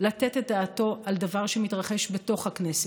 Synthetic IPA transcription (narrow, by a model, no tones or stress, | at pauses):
latetet̚d̪aːto̞ʔald̪avaʁʃemit̪ʁaχe̞ʃbe̞to̞χhaknese